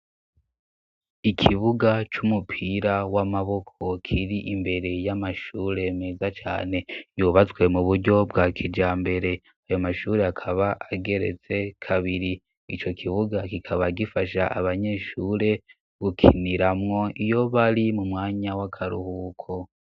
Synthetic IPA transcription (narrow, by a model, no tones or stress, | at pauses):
ikʰiβuɡat͡ʃumupʰiːɾawamaβo̞kʰo̞kʰiɾiʔimbe̞ɾe̞jamaʃuɾe̞ːmeːzat͡ʃa̰ːne̞juβat͡swe̞muβuɾɟo̞b̚ɡaːkʰid͡ʒaːmbe̞ɾe̞ | ajo̞maʃuːɾe̞akʰaβaʔaɡe̞ɾe̞̰t͡se̞kʰaβiɾi | it͡ʃo̞kʰiβuɡakikʰaβaɡifaʃa̰ʔaβaɲe̞ʃuːɾe̞ | ɡ̥ukʰḭniɾamŋo̞ijo̞βaɾimumŋaːɲawakʰaɾṵhukʰo